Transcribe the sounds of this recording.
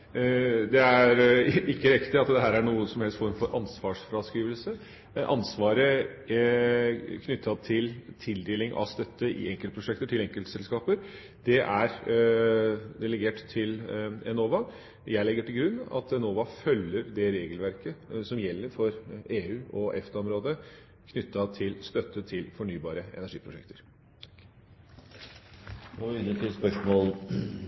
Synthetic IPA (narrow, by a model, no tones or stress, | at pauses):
d̪ɛæɾɪkːəɾɪkt̪ɪɑt̪d̪ɛɦæːɾæɳuːəsɔmhɛlst̪fɔɾmfɔɾʔɑnsʋɑːʂfɾɑskɾiːʋəlsə | ʔɑ̰nsʋɑːɾə | kʰnʏt̪ʰːɑt̪ʰɪlt̪ʰɪld̪eːlɪŋʔɑ̰st̪œt̪ːəʔɪ̰ɛŋkəlt̪əpʰɾʊʂɛkt̪əʈʰɪlɛŋkəlt̪sɛlskɑːpəɾ | d̪̥ɛʔæɾ | d̪ɛləɡeːʈt̪ʰɪlɛnoːʋɑ | jæɪlɛɡəʈɪlɡɾʉnːɑ̰t̪ʰɛnoːʋɑfœlːəɾd̪ɛɾeːɡəlʋæɾkəsɔmjɛlːəɾfɔɾeːʉːʔɔʔɛ̰ft̪ʰɔmɾoːd̪ə | kʰnʏt̪ːɑt̪ʰɪlst̪œt̪ːət̪ʰɪlfɔɳyːbɑːɾəɛ̰næʂḭːpʰɾʊʂɛ̰k̚t̪ʰəɾ | ɔɪnət̪ʰɪspœʂmoːl